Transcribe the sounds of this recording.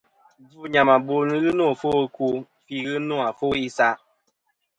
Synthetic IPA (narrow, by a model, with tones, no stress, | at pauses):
vu˦ɲa˨ma˨bo˨nɨ˦ɣɨ˦no˦˨fo˦˧ku˦ | fi˦ɣɨ˦no˦a˨fo˦i˦sa˦